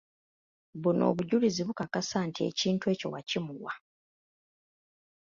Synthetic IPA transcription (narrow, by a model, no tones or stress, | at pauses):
βuno̞̰ːβuɟuliziβukakasaːntʰie̞̰ciːntue̞ːco̞̰wacimuɣwa